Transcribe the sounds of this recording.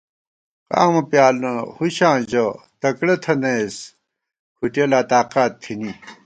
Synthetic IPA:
ka̰ːmɐpjaːlnɐhuɕãːd͡ʑɐ | t̪ɐkɽɐt̪ʰɐnes | kʰuʈelaːt̪aːqaːt̪ʰːini

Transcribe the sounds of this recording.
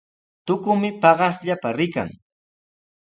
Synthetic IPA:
t̪ʊkʊmɪpɑɢɑsʎapaɾɪka̰ŋ

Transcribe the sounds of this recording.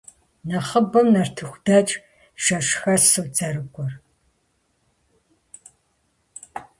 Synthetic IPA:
nɐχəbɐmnɐrtʰɨxʷdɐt͡ʃʼ | ʃɐʂxɐsɨwd͡zɐrɨkʷʼɔr

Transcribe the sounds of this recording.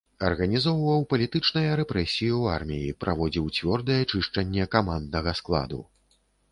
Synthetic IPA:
ɐrɣɐnʲizɔwvɐwpɐlʲit̪ɨt͡ʂnɐjɐɾɛpɾɛsʲijua̰rmʲijipɾʔavɔd͡zʲiwt͡sʲvʲɔrd̪ɐjɛt͡ʂɨʂt͡ʂɐnʲːɛkamand̪nɐɣɐsklˠa̰d̪ṵ

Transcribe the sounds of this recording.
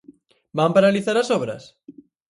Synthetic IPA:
bampaɾaliθaɾasoβ̞ɾa̰s

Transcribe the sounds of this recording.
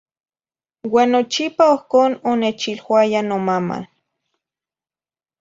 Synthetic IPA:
waːnːot͡ʃipaohkoːnonet͡ʃilwajanomama̰

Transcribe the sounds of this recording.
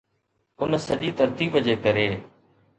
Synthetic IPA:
ʊnsəʄiːt̪ʰəɾt̪iːbəd͡ʒeːkəɾeː

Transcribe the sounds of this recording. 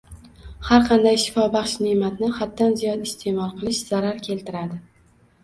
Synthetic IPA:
haɾqʰɑnd̪ajʃɪ̥fɒbɑχʃnemat̪nɪhat̪ːanzijɒd̪ɪst̪ʰe̞mɒlˠqʰɨlˠɪʃz̥aɾaɾkʲʰe̞lt̪ɪɾad̪ɪ

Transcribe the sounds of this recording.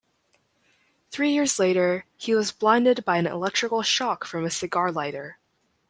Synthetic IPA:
θɹijɪɹzleɪɾə˞hiwʌzblãɪ̃ndɨd̚baɪɨ̃nɪ̰lɛk̚tɹ̥ɨkl̩ˠʃɑkfɹʌ̃mɨsɨɡɑɹlaɪɾə˞

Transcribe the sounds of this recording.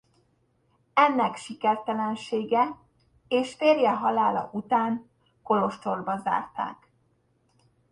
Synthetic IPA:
ɛnːɛkʃikɛrt̪ɛlɛnʃeːɡɛ | eːʃfeːrjɛɦɒlaːlɒ̰ʔut̪aːn | ko̞lo̞ʃt̪o̞rbɒza̰ːrt̪a̰ːk

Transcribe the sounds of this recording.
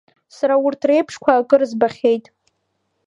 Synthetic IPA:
saɾaʊrtʰre̞jpʰʂkʷʰaːkʼɨrɨzbaχʲejtʼ

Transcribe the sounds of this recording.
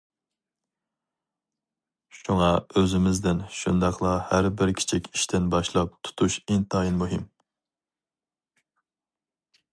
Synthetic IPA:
ʃuŋɑøzɪmɪzd̪ɪnʃund̪ɑqlˠɑhæɾbɪɾkʲʰi̥t͡ʃʰikʲʰiʃt̪ʰɪnbɑʃlˠɑp̚t̪ʰu̥t̪ʰuʃint̪ɑjinmuɦim

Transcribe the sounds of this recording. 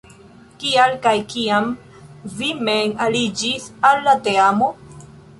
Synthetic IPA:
kialkajkiam | vimenalid͡ʒisalːateamo

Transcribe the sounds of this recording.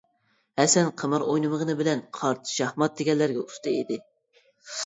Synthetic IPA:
hɛsɛnqʰəmɨɾojnɨməʁənɨbɪlɛnqʰɑɾt̪ʰʃɑhmɑt̪̚d̪eɡʲɛlːæɾɡʲɛust̪ɨid̪ɪ

